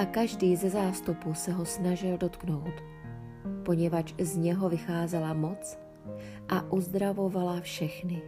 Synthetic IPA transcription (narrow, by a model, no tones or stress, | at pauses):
ʔakaʒdiːzɛzaːst̪upusɛɦo̞snaʒɪldo̞t̪kno̞wt̪ | po̞ɲɛvat͡ʃzɲɛɦo̞vɪxaːzɛlamo̞t͡s | ʔaʔuzd̪ɾavo̞valafʃɛxnɪ